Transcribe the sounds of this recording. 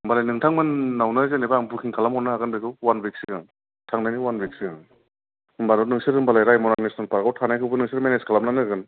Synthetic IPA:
ɯmbalajnɯŋtʰaŋmɯnːawnɯzenejbaŋbukʰiŋkʰalamɔnɯaɡɯnbejkʰɯwwanbek̚siɡaŋ | tʰaŋnajniwanbek̚siɡaŋ | ɯmbanɔnɯŋsɯɾɯmbalajɾajmɔnanesnalpaɾɡawtʰanajkʰɯwbɯnɯŋsɯɾmeneskʰalam̚nanɯɡɯn

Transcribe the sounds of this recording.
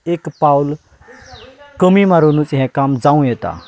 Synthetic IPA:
ekpawl | kəmimaɾonũt͡sɦɛ̃kamd͡zaũjet̪a̰

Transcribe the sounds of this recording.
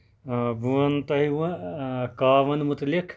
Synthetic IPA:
buɐnt̪ɐɦiʋɐ̃kaːʋɐnmut̪likʰ

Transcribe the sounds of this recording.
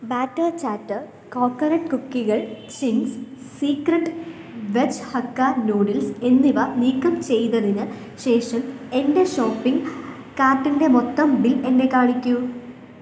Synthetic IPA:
baːʈːɐt͡ɕaːʈːɨ | koːkːɐɾɐʈkukːiɣɐɭ | t͡ɕiŋɡs | siːkrɐʈː | ʋet͡ɕhɐkːɐnuːɽilse̞nːiʋɐniːkːɐmt͡ɕe̞jt̪ɐðinɨ | ɕe̞ːʂɐme̞nde̞ɕo̞ːpːiŋɡ | kaːrʈːinde̞mot̪ːɐmbile̞nːe̞kaːɻikʲːu

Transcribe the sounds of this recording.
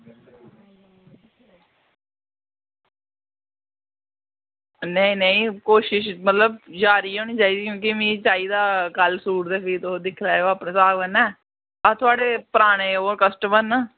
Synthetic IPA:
nəĩːnəĩːkoːʃɪʃmət̪ləb̚d͡ʒaːɾiːoːniːt͡ʃaːiːsiːkjõːkimĩːt͡ʃaːiːd̪aːkəlsuːʈd̪eːpʰiːt̪oːd̪ɪkʰlaːoaːpnẽːsaːɡʋənɛː | at̪ʰʊaːɖeːpəɾaːɽeːoːəɾkəsʈəməɾnaː

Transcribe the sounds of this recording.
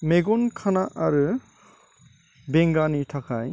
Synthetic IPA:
meɡɔnkʰanaʔaɾɯ | beŋɡanitʰakʰaj

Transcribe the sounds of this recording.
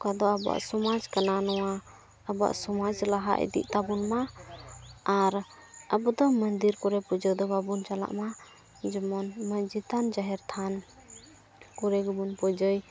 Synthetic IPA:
kad̪ɔabɔa̰ʔsɔmad͡ʒkananɔwa | əbɔa̰ʔsɔmad͡ʒlaɦa̰ʔḭd̪ḭʔt̪abunma | aɾ | əbɔd̪ɔmənd̪iɾkɔɾɛpɔd͡ʒɔjd̪ɔbabunt͡ʃala̰ʔma | d͡ʒɔmɔnməd͡ʒit̪and͡ʒaɦɛɾt̪ʰan | kuɾɛɡɔbunpɔd͡ʒɔj

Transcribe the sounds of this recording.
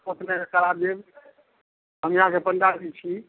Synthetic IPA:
pət̪nekəɾabjeb | ɦəmiɦãkepənd͡ʒad̪it͡ʃʰi

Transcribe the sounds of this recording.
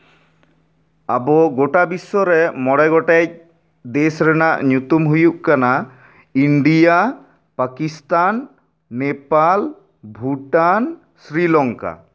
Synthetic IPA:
abɔɡoʈabisːɔɾɛmɔɽɛɡɔʈac̚ | d̪esɾɛnaʔɲut̪umɦujuʔkana | iɳɖija | pakist̪anː | epal | bʱuʈan | sɾilɔŋka̰

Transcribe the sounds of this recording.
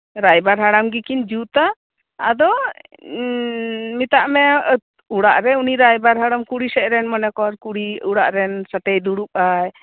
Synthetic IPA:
ɾajbaɾɦaɽamɡikind͡ʒut̪a | a̰d̪ɔ | mit̪aʔmɛ | uɽaʔɾɛuniɾajbaɾɦaɽamkuɽisɛʔɾɛnmɔnɛkɔɾkuɽiuɽaʔɾɛnsat̪ɛjd̪uɽup̚aj

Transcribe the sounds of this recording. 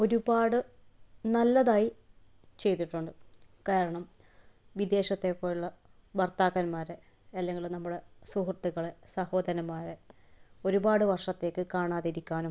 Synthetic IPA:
o̞ɾubaːɽɨnɐlːɐðaːji | t͡ɕe̞jt̪ːiʈːuɳɖɨkaːɾɐɳɐm | ʋid̪e̞ːɕɐt̪ːekːoːjuɭːɐ | bɐrt̪aːɣɐnmaːɾe | ɐlːeŋɡilnɐmːuɽe̞suhrt̪iɣɐɭesɐho̞ːd̪ɐnɐmːaːɾe | o̞ɾubaːɽɨʋɐrʂɐt̪ːe̞ːkːɨkaːɳaːðiɾikʲːaːnum

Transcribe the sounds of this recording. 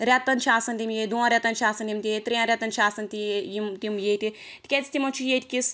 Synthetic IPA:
ɾʲɛt̪ːɐnt͡ʃʰaːsɐnt̪imjeːd̪uãɾʲɛt̪ɐnt͡ʃʰaːsɐnt̪imt̪ʲiet̪ɾijãɾʲɛt̪ɐnt͡ʃʰaːsɐnt̪ijimt̪iumjet̪i | t̪kʲet͡st̪imot͡ʃʰijet̪ʲkʲis

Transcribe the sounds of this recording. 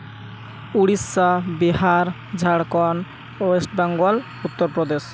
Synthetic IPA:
uɽisːabiɦaɾ | d͡ʑʱaɽkɔn | oesʈbaŋɡɔl | ut̪ːoɾpɾɔd̪eʃ

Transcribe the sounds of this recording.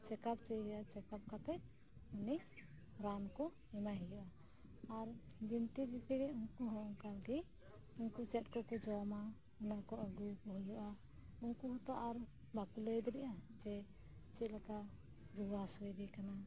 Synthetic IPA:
t͡ʃɛkap̚t͡ʃəjɾʔat͡ʃɛkap̚kat̪ɛ | uni | ɾankɔ | ɛmaɦijɔʔaː | ɾ | d͡ʒint̪ibipʰiɾɛunkuɦɔɔŋkalɡi | unkut͡ʃɛt̪̚kɔkɔd͡ʒɔma | ɔnakɔʔəɡukɔɦijɔʔa | unkuɦɔt̪ɔʔaɾ | bakulɔjd̪ɾɛʔad͡ʒɛ | t͡ʃit̪̚laka | ɾuwasɔjɾikana

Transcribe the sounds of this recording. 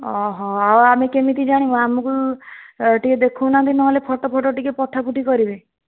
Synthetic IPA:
ɔɦɔ̃awamekemit̪id͡ʒaɽ̃ibɔamɔku | ʈied̪ekʰuwnant̪ʰinɔɦlepʰɔʈɔpʰɔʈɔʈikepɔt̪ʰapuʈikɔɾibe

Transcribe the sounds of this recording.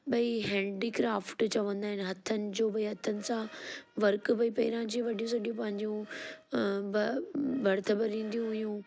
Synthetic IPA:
ɓɐiɦɛ̃ːɳɖiːkɾaːfʈt͡ɕɐʋə̃nd̪aːɦɪ̃nɪ̆ɦɐt̪ʰənɪ̆d͡ʑoːbɐiɦɐt̪ʰənɪ̆sãʋɐɾkbɐipɐɪɾãd͡ʑiːʋɐɗijũsɐɗijũpɐ̃ɦɪ̃ɲd͡ʑũ | bɐbɐɾt̪ʰəbəɾːĩːn̆d̪ijũɦʊijũ

